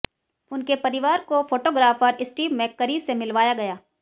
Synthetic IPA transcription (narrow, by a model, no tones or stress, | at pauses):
ʊnkepɐɾɪʋaːɾkofoːʈoːɡɾaːfəɾɪsʈiːʋmẽkːəɾisemɪlʋaːjaɡɐjaː